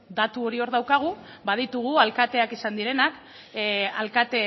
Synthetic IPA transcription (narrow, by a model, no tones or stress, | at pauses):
d̪at̪uo̞ɾio̞ɾðawkaɣ̞u | bað̞it̪uɣ̞ualkat̪e̞akisand̪iɾe̞nak | alkat̪e̞